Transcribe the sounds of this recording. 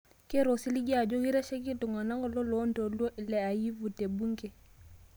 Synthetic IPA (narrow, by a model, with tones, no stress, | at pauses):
kɛ˦ɾo˨si˦li˦ɡa˨d͡ʒɔ˦ɡi˦ɾɛ˦ʃɛ˦ɡi˦dɔ˨ŋa˨na˦ŋɡɔ˦lɔ˦lɔ˦ndo˨lɔ˦ʔlɛ˨a˨ji˦vu˨te˨bu˦ŋɡɛ˨